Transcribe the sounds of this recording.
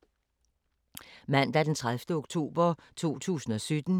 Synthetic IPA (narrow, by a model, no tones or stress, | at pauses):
mæn̰d̥æd̥ent͡sʰʁaðfd̥əoɡ̥t͡sʰo̝̰ːb̥ɐt͡sʰo̝̰ːt͡sʰṵːsn̩ɒ̽sød̥n̩